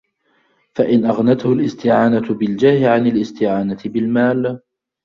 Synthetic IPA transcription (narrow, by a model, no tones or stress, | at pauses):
faʔɪnʔaɣnat̪hʊlʔɪst̪ɪʕaːnabɪld͡ʒaːhɪʕanɪlʔɪst̪ɪʕaːnat̪ɪbɪlmaːl